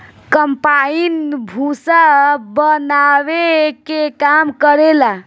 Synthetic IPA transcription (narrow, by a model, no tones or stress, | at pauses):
kəmpainbʱusabənawekekamkəɾela